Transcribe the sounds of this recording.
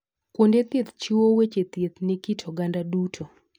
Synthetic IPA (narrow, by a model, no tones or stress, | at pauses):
kwondet̪et̪t͡ʃiwowet͡ʃet̪jet̪nekitʰɔɡandadutʰo